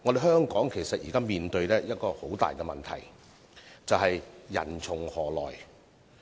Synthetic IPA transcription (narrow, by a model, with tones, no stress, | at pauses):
ŋɔː˨˧de˨jhœː˥ŋkɔː˨˥ŋkʰe˨˩jsɐ˨t̚jiː˨kaː˥miː˨nt̪ɵ˧ɥlɛː˥jɐ˥t̚kɔː˧ho˨˥wt̪a̰ː˨jkɛ˧mɐ̰˨nt̪ʰɐ̰˨˩j | t͡sɐ˨wɦɐ˨jːɐ̰˨˩nt͡sʰʊ˨˩ŋhɔː˨˩lɔ̰ː˨˩j